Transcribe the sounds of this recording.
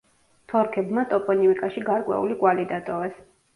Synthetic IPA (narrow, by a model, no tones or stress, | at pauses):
t̪ʰɔɾkʰɛbmat̪ʼɔpʼɔniikʼaʃiɡaɾkʼwɛ̰ṵlikʼwalid̪at̪ʼɔvɛs